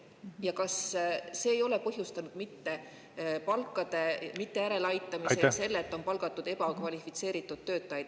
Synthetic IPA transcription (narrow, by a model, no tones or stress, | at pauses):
jɑkɑsse̞ːjo̞le̞pɤɦjust̪ɑnud̪̥mit̪ːe̞ | pɑlkːˑɑd̪̥e̞mit̪ːe̞æɾe̞lɑjt̪ːˑɑmisese̞lːet̪ːˑo̞npɑlɡ̥ɑt̪ːˑud̪̥e̞b̥ɑkvɑlʲifit̪se̞ːɾit̪ːˑud̪̥ːø̞ːt̪ːˑɑjɑd̪̥̚